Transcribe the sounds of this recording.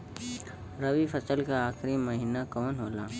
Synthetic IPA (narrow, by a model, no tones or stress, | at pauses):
ɾɐʋifʰɐsəlkaaːxʰɾimɐɦinakɔːnɦoːlaː